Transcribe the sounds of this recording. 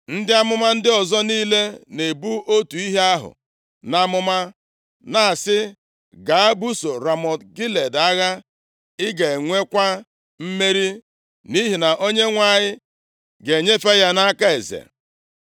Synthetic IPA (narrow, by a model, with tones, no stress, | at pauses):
n̩˦dɪ˦a˦mʊ˦ma˦n̩˦dɪ˦ɔ˨zɔ˦niː˦le˦ne˨bu˦o˦tu˨i˦ɦe˦a˦ɦʊ̰˨ | na˦mʊ˦ma˦ | na˦a˨sɪ˦ | ɡa˨a˦bu˦so˨ɾa˨mɔ˨tɡi˦le˨da˦ɣa˦ | ɪ˦ɡe˨ŋʷe˦kʷa˦ | m̩˦me˦ɾi˦ | ni˦ɦi˨na˨ʔo˦ɲe˦ŋʷa˨ɲɪ˦ | ɡe˨ɲe˦fa˦ja˦na˦ka˦e˨zḛ˨